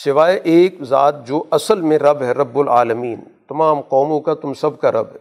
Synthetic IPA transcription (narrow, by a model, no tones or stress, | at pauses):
sɪʋaːeʔeːkza̰ːt̪̚d͡ʒoːʔɐsəlmẽɾɐbɦɛɾɐbːʊla̰ːləmiːnt̪ɐmaːmqɔːmõkat̪ʊmsɐbkaɾʔɐ̰bɦɛ